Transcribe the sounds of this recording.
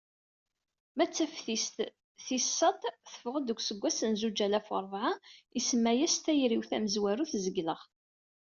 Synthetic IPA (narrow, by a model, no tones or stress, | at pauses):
mæt͡sːæfθist̪ | θisːɑt̪ˤθə̥fəʁəd̪əɡʷsəɡʷːæsənzud͡ʒælæfo̰ɾˤvʕaisəmːæjæst̪æjɾiwθæməzwæɾuθzəɡləʁ